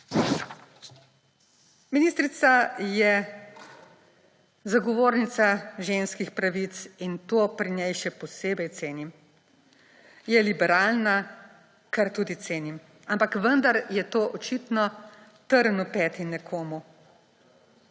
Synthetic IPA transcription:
miniːst̪ɾit̪sajɛ | zaɡɔʋoːɾnit̪saʒeːnskixpɾaʋit̪sint̪oːpɾinɛjʃɛpɔseːbɛjt̪seːnim | jɛlibɛɾaːlna | kaɾt̪uːd̪it̪seːnim | ampakʋənd̪aɾjɛt̪oːʔɔt͡ʃit̪nɔ | t̪əɾnupɛːt̪inɛkʰoːmu

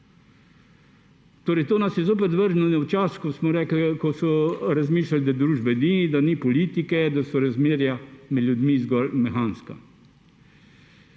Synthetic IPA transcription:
t̪oːɾɛjt̪oːnasjɛzoːp̬ɛt̪ʋəɾʒnɔnɛwt͡ʃaːskɔsmɔɾɛːklkɔsɔɾazmiːʃlalid̪ad̪ɾuːʒbɛnid̪anipɔliːt̪ikɛd̪asɔɾazmeːɾjamɛd̪ljud̪miːzɡɔlmɛxaːnska̰

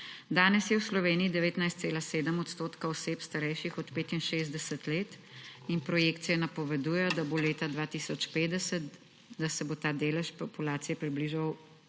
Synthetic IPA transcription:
d̪aːnɛsjɛwslɔʋeːniid̪ɛʋeːt̪najst̪seːlaseːd̪əmɔt̪st̪oːt̪kaɔseːpst̪aɾɛjʃixɔt̪peːt̪inʃeːzd̪ɛsət̪leːt̪ | inpɾɔjekt̪sijɛnɐpɔʋɛd̪uːjɛjɔd̪aboleːt̪ad̪ʋaːt̪isɔt͡ʃpeːd̪ɛsət̪ | d̪asɛbot̪aːd̪eːlɛʃpɔpulaːt̪sijɛpɾibliʒaw

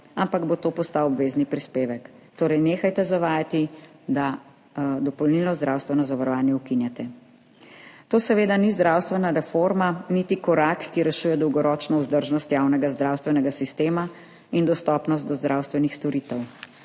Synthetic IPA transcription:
ampaɡbot̪oːpɔst̪awɔbʋeːznipɾispeːʋɛk | t̪oːɾɛjneːxajt̪ɛzaʋaːjat̪id̪a | d̪ɔpɔlnilnɔzd̪ɾawst̪ʋɛnɔzaʋaɾɔʋaːnjɛukinjat̪ɛ | t̪oːsɛʋeːd̪anizd̪ɾawst̪ʋɛnaɾɛfoɾmanit̪ikɔɾakːiɾɛʃuːjɛd̪ɔwɡɔɾɔːt͡ʃnɔuzd̪əɾʒnɔst̪jawnɛɡazd̪ɾawst̪ʋɛnɛɡasist̪eːma | ind̪ɔst̪ɔːpnɔst̪d̪ɔzd̪ɾawst̪ʋɛnixst̪ɔɾiːt̪ɛw

